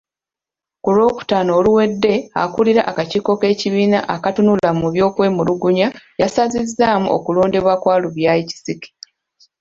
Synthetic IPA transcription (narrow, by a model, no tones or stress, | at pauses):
kulo̞ːku̥taːno̞ːluwe̞dːe̞a̰kuliɾaʔakaciːko̞ke̞ːciβiːna̰ʔakatunulamuβjo̞ːkwe̞ːmuluɡuɲajasazizːaːmuʔo̰kulo̞ːnde̞βwakwaːluβjaːici̥sike̥